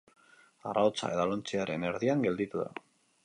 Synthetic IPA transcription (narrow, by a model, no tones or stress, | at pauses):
araot͡sa̰e̞ðalont͡siaɾe̞ne̞ɾðiaŋɡe̞ld̪it̪uða̰